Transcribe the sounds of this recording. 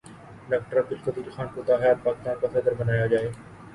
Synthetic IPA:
ɖaːk̚ʈəɾad̪ɪlkɐt̪iːlxaːnkot̪aːɦjaːt̪̚paːkɪst̪aːnkasɛd̪əɾbənaːjad͡ʒaːeː

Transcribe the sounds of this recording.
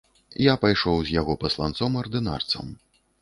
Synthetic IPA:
japajʂɔwzʲjaɣɔpɐslˠant̪sɔmɐrd̪ɨna̰rt̪sɐ̰m

